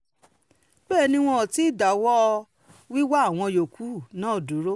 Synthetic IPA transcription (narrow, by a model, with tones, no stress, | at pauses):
ɡ͡bɛː˦˨nĩ˧w̃ɔ̃˧˨ti˦i˦˨da˨wɔ˦˧ | wi˦wa˦˨w̃ɔ̃˧jo˨ku˨˦˨nãː˨˦o˨dũ˨˦ɾo˦